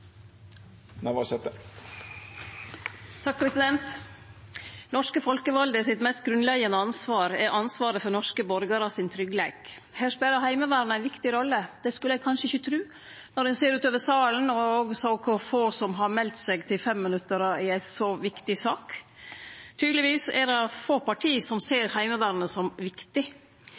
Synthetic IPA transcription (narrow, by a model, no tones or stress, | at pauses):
næʋɑsɛt̪ə | t̪ʰɑk̚pʰɾɛsɪd̪ɛnt̪ | nɔʂkəfɔlkəʋɑld̪əsɪt̪mɛst̪̚ɡɾʉnlɛɡənəɑnsʋɑːɾɛɾʔɑnsʋɑːɾəfɔɾnɔʂkəbɔɾɡəɾɑsɪnt̪ʰɾʏɡleːɡ̥ | hæːʂpɛːləɾhæɪməʋæːɾnæɪʋɪkt̪ɪɾɔlːəd̪̥ɛskʉləɛɡ̚kʰɑnʂəɪçət̪ʰɾʉː | nɔɾhɛnseːɾʉːt̪øːʋəsɑːln̩ɔoɡsɔɔkʰʊfoːsɔmɦɑɾmɛlt̪sɛːɡt̪ʰɪlfɛmːɪnʉt̪ːəɾɑɪæɪsɔʋɪkt̪ɪsɑːk | t̪ʰyːd̪lɪʋiːsɛ̰ɾɑfoːpʰɑʈʰiːsɔmseːɾhæɪməʋæːɾnəsɔmʋɪkt̪ɪ